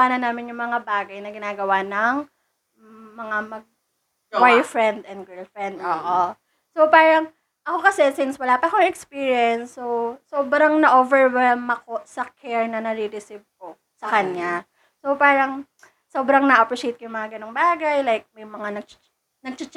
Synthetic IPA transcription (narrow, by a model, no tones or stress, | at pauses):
aːnɐnaːmɪnjʊŋmɐŋabaːɡɐjnɐɡɪnaːɡɐwanɐŋ | mɐŋamɐɡ̚ | wajfɹɛnd̪ɛnd̪̚ɡɛlfɹɛnd̪oːʔo | so̞paːɾɐŋ | ʔɐko̞kɐsɛsɪnswɐlaːpɐʔkoŋɛkspiɹjɛnsːowsoːbɾɐŋnɐʔovɛɹwɛlmɐko̞ʔsɐkʰɛɹnɐnɐɾiɾɪsiv̚ko | sɐkɐɲːa | so̞paːɾɐŋ | soːbɾɐŋnɐʔɐpɾiʃejt̪̚kɐjʊŋmɐŋaɡɐno̞ŋbaːɡɐjlajk̚mɐjmɐŋanɐɡ̚t͡ʃ | nɐɡ̚t͡ʃɪt͡ʃ